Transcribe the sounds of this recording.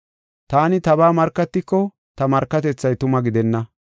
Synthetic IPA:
t̪aːnɪt̪ɐbaːmɐɾkːɐt̪ːɪkːɔ | t̪ɐmɐɾkːɐt̪ɛt͡sːɐjt̪ʊmɐɡɪd̪ɛnːɐ

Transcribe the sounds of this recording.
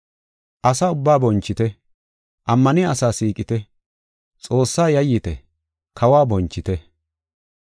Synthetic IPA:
ʔɐsɐʊbːaːbɔnt͡ʃːɪt̪ɛ | ʔɐmːɐnɪɐsaːsiːkʼɪt̪ɛ | t͡sʼo̞ːsːaːjɐjːɪt̪ɛ̰ | kʰɐwaːbɔnt͡ʃːɪt̪ɛ

